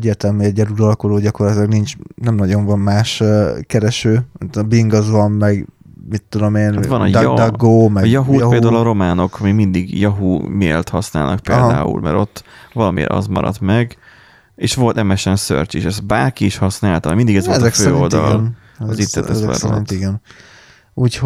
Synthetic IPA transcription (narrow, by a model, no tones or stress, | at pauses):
ɛɟːeːrt̪ɛlmyːɛɟːɛɾuɾɒlkoloːɟɒko̞rlɒt̪ilɒɡnint͡ʃnɛmnɒɟo̞ɱvɒmːaːʃkɛɾɛʃøːmit̪biŋɡɒzvɒmmɛɡ | mit̪ːud̪o̞meːnhatɒnjd̪ɒɡːoːmɛjɒɦuɦeːld̪aːulɒɾo̞maːno̞kmimind̪iɡjɒɦumḛːlt̪hɒsna̰ːlnɒk̚pḛːlɦd̪a̰ːṵlmɛ̰ɾo̞t̪ːvɒlɒmḭːɾɒ̰zmɒ̰ɾɒ̰t̪mɛɡ | eːʃʋo̞lt̪ɛmɛʃɛnsø̰rt͡ʃiʃɛs̚baːrkiːʃhɒsnaːlt̪ɒmind̪iɡɛzot̪ɛksføːioltd̪ɒ̰lln | zit̪ːɛt̪ɛɛzɛ̰ɛ̰ɾint̪iɡɛn | uːch